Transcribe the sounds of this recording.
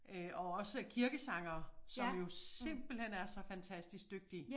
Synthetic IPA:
øʔɒ̽ɒ̽səkʰiɐɡ̥əsɑ̈ŋ̰ɐːsɒ̽mjo̝se̝m̰b̥l̩hen̰æɐsɒ̽fænt͡sʰæsd̥isɡ̥d̥øɡ̥̚d̥i

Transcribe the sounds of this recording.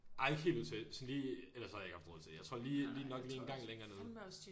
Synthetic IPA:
ʔɑ̈ɪe̝ɡ̥ɦḛːlʋut͡sʰesɔnliːelɐsːɒhje̝ɡ̥hɑfd̥ʁɔð̰ˠt͡sʰe̝̥jäɪt͡sʰʁo̝ɐ̰liːliːnɒ̽ɡ̥liːenɡ̥ɑ̈ŋ̰leŋɐnoːð̩ˠ

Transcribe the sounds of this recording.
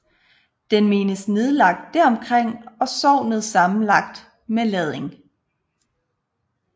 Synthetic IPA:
d̥enme̝ːnəsne̝ð̞ˠlɑ̈ɡ̥̚d̥ːæɐɒ̽mkʰʁeŋ̰ɒ̽sɒʊ̰nəð̩ˠsɑ̈mn̩lɑ̈ɡ̥̚d̥ | melɛð̞ˠe̝ŋ

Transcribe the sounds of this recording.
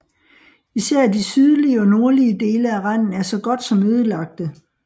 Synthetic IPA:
isæɐ̰d̥isyð̞ˠliəɒ̽no̝ɐliəd̥e̝ːləæʁɑn̰n̩æɐsɒ̽ɡ̥ɒ̽d̥sɒ̽mːøːð̞ˠəlɑ̈ɡ̥̚d̥ə

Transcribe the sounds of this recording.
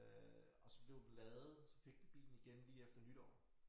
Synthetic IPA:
ɒ̽sɒ̽b̥le̝ʊilɛːð̩ˠsɒ̽fe̝ɡ̥ʋib̥ḭːln̩iɡ̥enliːefd̥ɐnyd̥ɒ̰ː

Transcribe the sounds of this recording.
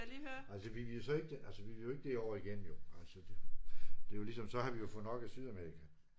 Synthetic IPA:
liːhøælsəʋiʋisɒ̽e̝ɡ̥əd̥eʔælsəʋiʋijoe̝ɡ̥əd̥e̝ɒ̰ɐiɡ̥en̰m̩jo̝ælsəd̥ed̥e̝jo̝lisɒ̽msɒ̽hɑ̈ʋijo̝fɔ̽ð̩ˠnɒ̽ɡ̥æsyðˠæmeʁikʰæ

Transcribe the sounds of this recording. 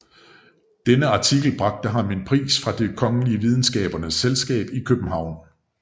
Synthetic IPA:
d̥enəɑ̈t͡sʰiɡ̥l̩b̥ʁɑ̈ɡ̥̚d̥əɦɑ̈me̝npʰʁḭːsfʁɑ̈d̥e̝kʰɒ̽ŋəliəʋið̞ˠn̩sɡ̥ɛ̰ːb̥ɐnəselsɡ̥ɛ̰ːb̥ikʰøb̥m̩ɦɑ̈ʊ̰n

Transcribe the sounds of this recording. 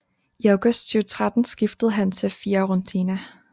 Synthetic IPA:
iɑʊɡ̥ɔsd̥syːʊt͡sʰʁad̥n̩sɡ̥ifd̥əð̞̩ˠɦænt͡sʰefiːɐʁont͡sʰinæ

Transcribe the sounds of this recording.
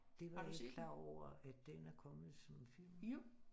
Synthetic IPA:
d̥e̝ʋɑe̥kʰlɑ̰̈ːɒʊ̰ɐædd̥enæɐkʰɒ̽mð̩ˠsɒ̽mfil̰m

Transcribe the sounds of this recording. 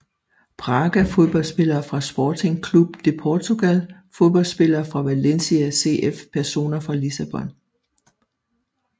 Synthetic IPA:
pʰʁɑ̈ɡ̥æfo̝ðˠb̥ɒ̽lsb̥e̝lɐːfʁɑ̈sb̥ɒːt͡sʰeŋkʰlub̥t͡sʰe̝pʰɒt͡sʰoɡ̥ælfo̝ðˠb̥ɒ̽lsb̥e̝lɐːfʁɑ̈ʋælensiæse̝̰ʔefpʰæɐso̝̰ːnɐfʁɑ̈lisæb̥ɒ̽n

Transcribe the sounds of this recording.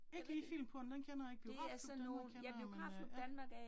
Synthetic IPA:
eɡ̥əliːfil̰m̩pʰɒ̽nd̥enkʰenɐjɑeɡ̥̚b̥ioɡ̥ʁɑ̰̥ːd̥kʰenb̥lemɑod̥ænmɑ̈ɡ̥

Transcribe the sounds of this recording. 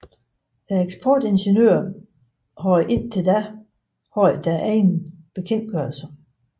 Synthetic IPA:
d̥æeɡ̥sb̥ʰɒːd̥e̝nɕenø̰ːɐ | ɦɒɪ̰ʔe̝n̰t͡sʰe̝ld̥æ | hɒɪ̰d̥æʔæenb̥e̝kʰen̰d̥̚ɡ̥ɶɐ̰lsɐ

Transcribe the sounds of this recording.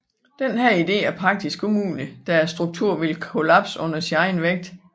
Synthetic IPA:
d̥enɦæɐ̰id̥e̝̰ːæɐpʰʁɑ̈ɡ̥̚d̥isɡ̥ʰomuːnəd̥ææɐsd̥ʁuɡ̥̚t͡sʰuɐ̰ʋe̝lkʰo̝læb̥sɔ̽n̰ɐsinɑ̈ɪnʋeɡ̥̚d̥

